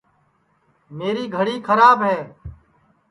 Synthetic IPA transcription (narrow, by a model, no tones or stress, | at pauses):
meːɾiːɡʱəɽiːkʰəɾaːbɦɛː